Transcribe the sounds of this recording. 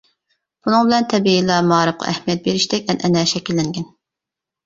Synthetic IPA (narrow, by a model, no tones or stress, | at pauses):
b̥unɨŋbɪlɛnt̪ʰɛbiilˠɑmɑːɾɨp̚qʰɑ̰ʔɛ̰hmijɛt̪̚beɾɪʃd̪ɛkʲɛnʔɛnɛʃɛkʲilːɪŋɡʲɛn